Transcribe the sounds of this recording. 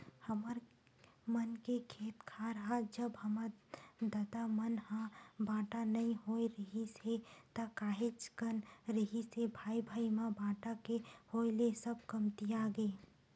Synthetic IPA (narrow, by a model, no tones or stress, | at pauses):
hɐməɾ | mənkekʰeːt̪kʰaɾɐɦad͡ʒəbɦɐmad̪aːd̪amənɦãbaːʈanɐɦĩɦoiɾəɦiset̪akaːɦɪt͡ʃkənɾəɦisebʱaːibʱaːimãbaːʈakehoːlesəb̚kɐmt̪ijaɡeː